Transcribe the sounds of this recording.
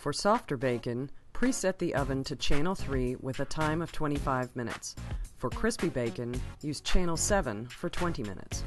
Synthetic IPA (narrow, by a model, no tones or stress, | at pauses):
fə˞sɔftə˞beɪkɨ̃npʰɹ̥isɛt̪̚ðiʔʌvɨ̃ntʰɨt͡ʃʰæ̃ɪ̃nl̩ˠθɹiwɪðɨtʰãɪ̃mʌv̥tʰw̥ɛ̃ɾ̃ifaɪvmɪ̃nɨ̰tsfə˞kʰɹ̥ɪspibeɪkɨ̃njʉzt͡ʃʰæ̃ñl̩ˠsɛvə̃nfə˞tʰw̥ɛ̃ntimɪ̰̃nɨ̰ts